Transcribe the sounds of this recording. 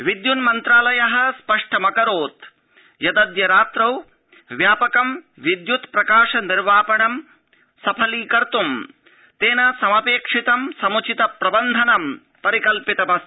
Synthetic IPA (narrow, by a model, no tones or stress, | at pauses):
ʋid̪junmɐnt̪ɾaːlɐjɐɦɐ̆spɐʂʈɐmɐkɐɾoːt̪ | jɐd̪ɐd̪jɐɾaːt̪ɾɐw | ʋjaːpɐkɐm | ʋid̪jut̪pɾɐkaːʂɐniɾʋaːpɐɳɐm | sɐpʰɐliːkɐɾt̪um | t̪eːnɐsɐmɐpeːkʂit̪ɐmsɐmut͡ʃit̪ɐpɾɐbɐnd̪ʱɐnɐm | pɐɾikɐlpit̪ɐmɐs